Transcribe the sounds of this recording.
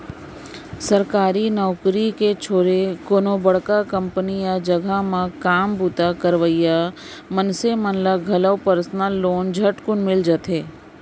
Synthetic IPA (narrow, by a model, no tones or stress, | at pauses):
səɾkaːɾinɔːkɾiket͡ʃʰoːɾekoːnõbəɽkakə̃mpənijad͡ʒɐɡʱamãkaːmbut̪akəɾʋəjja | mənsemənlaɡʱɐləwpəɾəsnalːoːnd͡ʒʱɐʈkʊnmɪld͡ʒat̪eː